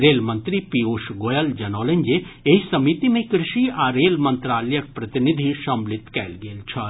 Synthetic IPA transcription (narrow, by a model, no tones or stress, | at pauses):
ɾeːlmɐ̃nt̪ɾipioʃɡoːjɐld͡ʒɐnoːlẽnd͡ʒeeisɐmit̪imẽkɾɪʃiaɾeːlmə̃nt̪ɾaːljək̚pɾɐt̪ɪnid̪ʱiʃɐmlɪt̪kɛ̰ːlɡeːlt͡ʃʰɐ